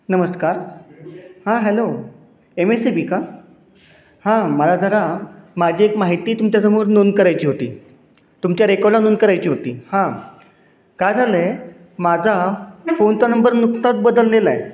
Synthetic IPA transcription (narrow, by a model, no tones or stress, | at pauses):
nəməskaɾ | hãɦɛlo | emesebiːka | hãməlad͡zʱəɾamad͡ʑʱiːekmaɦit̪iːt̪umt͡ɕjasəmuːɾnonkəɾajt͡ɕiːɦot̪ḭː | t̪umt͡ɕjaɾekɔlanonkəɾajt͡ɕiːɦot̪iːhã | kajd͡zʱalə | mad͡zʱafont̪anəmbəɾnuk̚t̪at̪̚bəd̪əlːelae